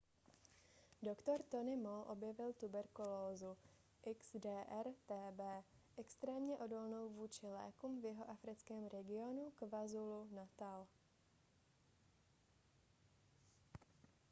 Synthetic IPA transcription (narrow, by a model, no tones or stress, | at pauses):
dokt̪o̞ɾt̪o̞nɪmolʔo̞bjɛvɪlt̪ubɛɾkuloːzu | ʔɪkz̥dɛːʔɛɾt̪ɛːbɛːʔɛkst̪ɾɛːmɲɛʔo̞dolnowvuːt͡ʃɪlɛ̰ːkuːmvjɛɦoʔafɾɪt͡skɛːmɾɛɡɪo̞nukvazulunat̪al